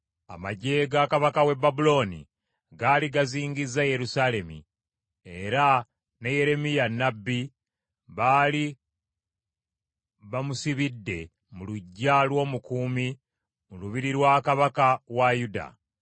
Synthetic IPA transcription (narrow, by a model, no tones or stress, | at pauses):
a̰maɟe̞ɡaːkaβakawe̞bːabulo̞ːnḭ | ɡaːliɡaziːŋɟizːaje̞ɾusale̞mḭ | e̞ɾa | neje̞ɾe̞mijanːabːi | βaːli | βamusiβidːe̞ | muluɟːalwo̞ːmukuːmi | muluβiɾiɾwaːkaβakawajuda̰